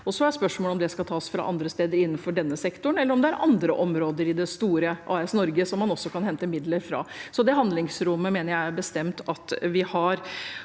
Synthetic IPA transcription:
ɔsɔæɾspœʂmoːlɔmd̪ɛskɑlt̪ʰɑːsfɾɑ̰ʔɑ̰nd̪ɾəst̪eːd̪əɾɪnːən̩fɔɖɛnːəsɛkt̪ʊɳ̩ɛlːəɾɔmd̪ɛæɾʔɑ̰nd̪ɾəʔɔmɾoːd̪əɾɪd̪ɛst̪uːɾəʔɑ̰ːɛsnɔɾɡəsɔmːɑnɔsːɔkʰɑnhɛnt̪əmɪd̪ləɾfɾɑ̰ːsɔd̪ɛɦɑnd̪lɪŋsɾʊmːəmeːnəɾjæɪæɾbəst̪ɛmt̪ɑt̪ʋɪhɑɾ

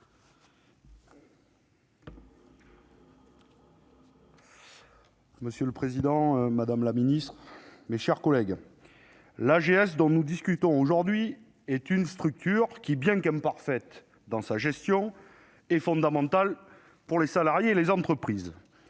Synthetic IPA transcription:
məsjələpχezid̪ɑ̃ømad̪amlaminist̪χmeʃɛʁkɔlɛɡ | laʒeɛsd̪ɔ̃nud̪iskʲyt̪ɔ̃oʒuʁd̪ɥi | ɛt̪ynst̪χyk̚t̪yʁkʲibjɛ̃kɛ̃paʁfɛt̪ | d̪ɑ̃saʒɛst̪jɔ̃ | ɛfɔ̃d̪amɑ̃t̪al | puʁlesalaʁjeːlezɑ̃t̪χəpχiz

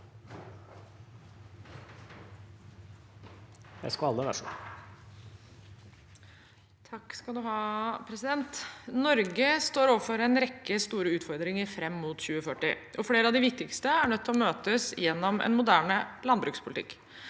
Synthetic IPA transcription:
j̪æ̰ɪskɑɑlːəʋæ̰ʂɔ | t̪ʰɑkːskɑld̪ʉhɑːpʰɾɛsɪd̪ɛnt̪nɔɾɡəst̪oːɾoːʋəɾfɔɾɛnɾɛkːəst̪uːɾəʉːt̪fɔɾd̪ɾɪŋəɾfɾɛmːʊt̪çʉːəfœʈːɪ̰ʔɔfɽeːɾəɑʋd̪ɪʋɪk̚t̪ɪkst̪əæɳœt̪ʰːlɔmøːt̪əsjɛnːɔmʔɛ̰nmʊd̪æːɳəlɑnbɾʉːkspʰʊlɪt̪ɪ̰kː

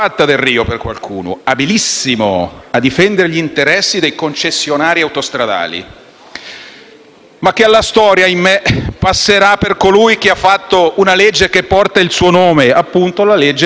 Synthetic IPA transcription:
at̪ːad̪erriːoperkwa̰lkʰṵːno̰abilisːimo̰ad̪ːifɛnd̪eɾeʎint̪eɾɛsːid̪ejkont͡ʃesːjonaːɾiawt̪ost̪ɾad̪a̰ːlḭ | mak̟ːealːast̪ɔːɾjaimːepasːeɾapːerkolujk̟eafːat̪ːounaled͡ʒːekepːɔrt̪ailsuːonoːmeapːunt̪olaled͡ʒːe

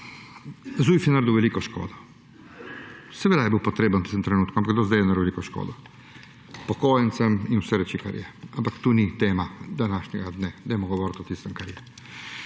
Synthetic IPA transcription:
zuːjfinaɾd̪uʋelikoʃko̰ːd̪o̥ | sɛʋed̪ajɛbiwpot̪ɾeːbant̪ist̪mt̪ɾenuːt̪kuampakɡd̪ɔszd̪ajɛnaɾuʋelikoʃko̰ːd̪o | pokojɛnt̪sɛminusɛɾɛt͡ʃikaɾḭɛampakt̪uːnit̪eːmad̪anaʃɲɛɡad̪nɛd̪ajmoɡoʋoːɾt̪ɔt̪ist̪ɛmkaɾije

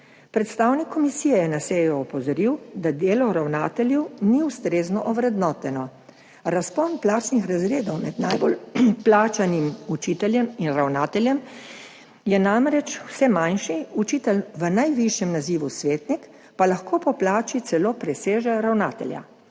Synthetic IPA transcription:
pɾɛt̪st̪aːwnikʰːɔmisiːjɛjɛnaseːjɔɔpɔzɔɾiwd̪ad̪eːlɔɾawnaːt̪ɛljɛwniust̪ɾeːznɔʔɔʋɾɛd̪nɔːt̪ɛnɔ | ɾaspɔnplaːt͡ʃnixɾazɾeːd̪ɔwmɛd̪najbolplaːt͡ʃanimut͡ʃiːt̪ɛljɛminɾawnaːt̪ɛljɛm | jɛnamɾɛt͡ʃw̥sɛmanʃiut͡ʃit̪ɛlʋənajʋiʃjɛmnaziʋusʋeːt̪nik | palaxkoːpɔplaːt͡ʃit̪sɛloːpɾɛseːʒɛɾawnaːt̪ɛ̰lja̰

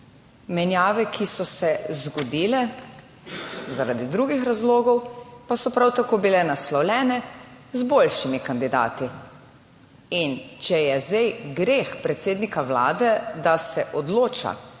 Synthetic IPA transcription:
mɛnjaːʋɛkʰisɔsɛzɡɔd̪iːlɛ | zaɾad̪id̪ɾuːɡixɾazloːɡɔwpasɔpɾawt̪akoːbilɛnaslɔwlʲɛːnɛzbolʃimikand̪id̪a̰ːt̪i | int͡ʃɛjɛzd̪ɛjɡɾexpɾɛt̪seːd̪nikawla̰ːd̪ɛd̪asɛʔɔd̪loːt͡ʃa̰

